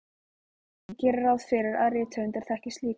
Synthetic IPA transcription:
cɛːɾɪɾawðfɪɾɪɾa̰ðrɪːt̪ʰœnt̪ɛɾ̥θɛhcɪst̪liː

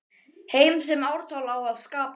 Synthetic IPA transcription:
heːjms̬ɛmawɾt̪ʰaːwlawaðskaːp

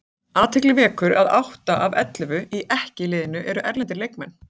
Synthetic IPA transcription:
aːt̪ʰɪklɪvɛːkʏɾaðawht̪aʔavɛt̪lʏvʏiʔɛhcɪlɪːðɪnʏʔɛɾʏʔɛɾlɛnt̪̬ɪɾlejkmɛn

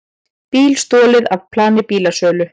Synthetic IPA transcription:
piːlst̪ɔːlɪðavpʰlaːnɪpiːlasœːlʏ

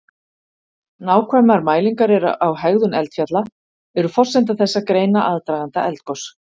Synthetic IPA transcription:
naːwkʰvɛmaɾmaːjliŋkaɾɪɾawɦɛɣðʏnɛlt̪fjat̪la | ɛɾʏfɔr̥sɛnt̪̬aθɛsːakɾeːjnaʔaðt̪ɾaːjɣant̪a̰ʔɛlt̪kɔs

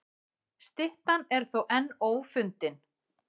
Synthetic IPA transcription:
st̪ɪht̪anɛɾ̥θowʔɛnːoːwfʏnt̪ɪn

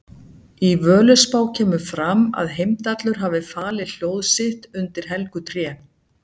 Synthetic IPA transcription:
ivœːlʏspaːwcʰɛːmʏfɾama̰ðɦejmt̪at̪lʏɾ̥ɦavɪfaːlɪl̥joːwðsɪht̪ʏnt̪ɪɾ̥ɦɛlkʏt̪ɾjɛː

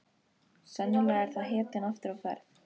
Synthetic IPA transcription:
sœnːʏnaɛɾ̥θaðɦɛːt̪ɪnaft̪ʏɾawfɛ̰ɾθ

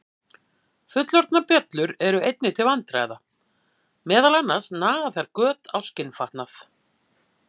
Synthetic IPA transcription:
fʏt̪lɔɾt̪napjœt̪lʏɾɛɾʏejt̪̚nɪt̪ʰɪlvant̪ɾa̰ːjða | mɛːðalɛnːasnaːðaθaɾkœːt̪awscɪnfaht̪naθ

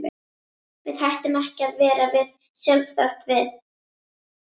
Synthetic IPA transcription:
vɪðhajht̪ʏmɛhcɪaðvɛːɾavɪð | sjœlfθal̥t̪vɪð

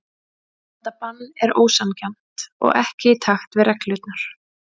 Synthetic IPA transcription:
ɛt̪ːapanːɛɾo̰ːwsamcɛm̥t̪ɔ̰ɣɛhcɪit̪ʰaxt̪vɪðrɛklʏːt̪naɾ̥

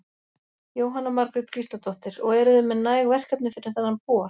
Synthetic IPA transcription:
joːwɦanːamaɾkɾɪt̪kʰɾist̪lat̪ʰɔht̪ɪɾɔɣɛɾʏðʏmːɛðnaːjɣvɛr̥kapnʏfɪɾɪɾ̥θanhanpɔːa

